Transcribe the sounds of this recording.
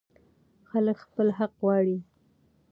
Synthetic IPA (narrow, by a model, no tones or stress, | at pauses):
xaləkxpəlɦaqɣwɑɽi